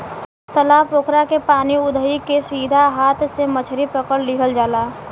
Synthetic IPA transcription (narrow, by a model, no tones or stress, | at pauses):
t̪əlaːboːkɾakepaːniʊd̪ʱəikesiːd̪ʱaɦaːt̪ʰsemət͡ʃʰɾipəkəɽlɪɦəld͡ʒaːlaː